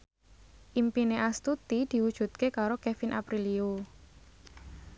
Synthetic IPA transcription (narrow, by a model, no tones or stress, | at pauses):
ʔimpineʔast̪ut̪id̪̥i̤wud̥ʒ̥ṳt̪̚kekaɾokefinʔa̰pɾilio